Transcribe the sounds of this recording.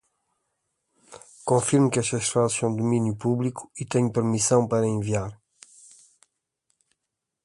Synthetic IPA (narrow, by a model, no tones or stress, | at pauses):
kõfiɾmkɛʃt̪ɐʃt̪asɐ̃w̃d̪uminjupuβliku̥it̪ɛɲupɨɾmisɐ̃w̃pɐɾɐẽviaɾ